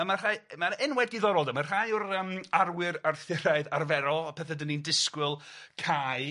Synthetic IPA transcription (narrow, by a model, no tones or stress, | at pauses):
əmar̥ajmaɾɛnwɛdiðɔɾɔlˠdəmar̥ajʊɾəmarwɪɾarθɪɾaɨðarvɛɾɔɔpʰɛθɛdənindɪskwɪlˠkʰaːj